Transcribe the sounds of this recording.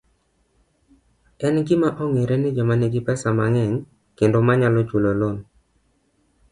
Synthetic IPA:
ɛnɡɪmaʔɔŋeɾenɪd͡ʒɔmaneɡɪpɛsamaŋɛŋ | kendomaɲalɔt͡ʃulolon

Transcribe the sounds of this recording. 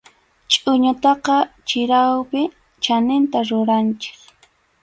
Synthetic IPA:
t͡ʃʼʊɲʊt̪ɑqɑt͡ʃɪɾawpɪ | t͡ʃanɪnt̪aɾʊɾant͡ʃe̥k

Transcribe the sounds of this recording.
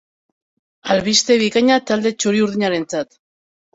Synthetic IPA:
alβist̪e̞βikaɲat̪ald̪e̞t͡ʃuɾiuɾðiɲaɾe̞nt͡sat̪

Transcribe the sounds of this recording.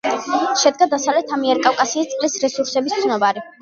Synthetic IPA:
ʃɛd̪̚ɡad̪asavlɛt̪ʰamiɛɾkʼafkʼasiːst̪sʼlisɾɛsuɾsɛbist̪sʰnɔbaɾi

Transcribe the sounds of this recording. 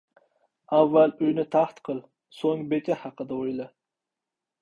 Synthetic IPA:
ævːælyjnɪt̪ʰɑχt̪qʰəlˠ | soŋbet̪ʰɛhɑqəd̪ɛojlˠɨ

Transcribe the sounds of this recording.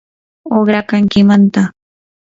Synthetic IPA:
oχɾakaŋkɪmant̪a

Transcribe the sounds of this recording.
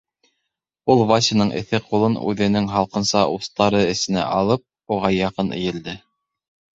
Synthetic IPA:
ulˠvɑsʲɘnɤɴʔɘ̰̆θɘqulˠɤnʉ̰ðɘ̆nɘŋɦɑlˠqɤ̆nsɑʔust̪ɑɾɤɘ̆sɘ̆næ̰ʔɑlˠɤp̚ | uʁɑjɑqɤnʔɘ̰̆jɘ̆ld̪ɘ

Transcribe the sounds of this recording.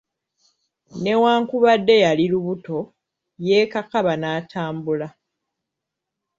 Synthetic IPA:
ne̞waːŋkuβadːe̞jaliluβuto̞ | je̞ːkakaβanaːtʰaːmbula

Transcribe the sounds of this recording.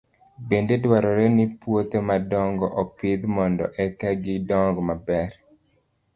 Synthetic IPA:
bendedwaɾɔɾenipwot̪emadɔŋɡɔʔɔpɪd̪mɔndɔ̰ʔɛkɛɡɪdɔŋɡɔmabɛɾ

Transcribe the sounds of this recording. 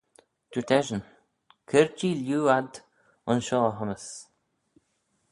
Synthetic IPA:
d̪̥ət̪ʰɛʒən | kʰɪɹt͡ʃiljuːad̪ | ɔnʃɔːɦɔməs

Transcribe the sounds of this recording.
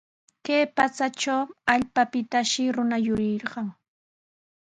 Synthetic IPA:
kajpat͡sat͡ʃawaʎpapɪt̪aʃɪɾʊnajʊɾɪɾɢɑŋ

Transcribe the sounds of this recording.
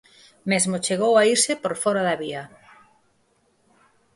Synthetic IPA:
mezmot͡ʃeɣowaiɾsɪpoɾfɔɾaðɐβiɐ

